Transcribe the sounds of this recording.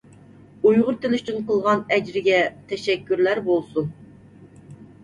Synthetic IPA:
ujʁʊɾt̪ʰenɪyt͡ʃʰynqəlˠʁɑnɛd͡ʒɾɪɡʲɛt̪ʰɛʃɛkʲːyɾlæɾbolˠsun

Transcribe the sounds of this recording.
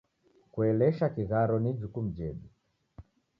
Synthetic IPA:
kuɛlɛʃakiɣaɾɔnid͡ʒukum̩d͡ʒɛɗi

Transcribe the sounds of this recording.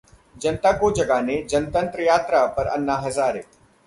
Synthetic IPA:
d͡ʒɐnt̪aːkod͡ʒɐɡaːned͡ʒɐnt̪ə̃nt̪ɾəjaːt̪ɾapɐɾɐ̰nːaɦɐzaːɾeː

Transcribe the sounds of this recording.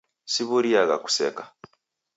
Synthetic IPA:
siβuɾiaɣa̰ku̥sḛkḁ

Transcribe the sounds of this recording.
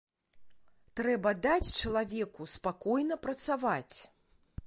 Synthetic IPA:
t̪ɾɛbɐd̪at͡sʲt͡ʂɐlˠavʲɛkuspakɔjnɐpɾɐt̪savat͡sʲ

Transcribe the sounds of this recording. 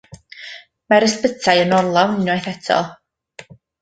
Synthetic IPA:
maɾəspətʰajənɔrlˠanɪnɔjθɛtʰɔ̰lˠ

